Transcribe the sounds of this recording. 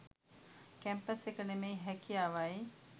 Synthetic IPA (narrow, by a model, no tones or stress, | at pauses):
kæmpəsekənemejɦækijaːʋaj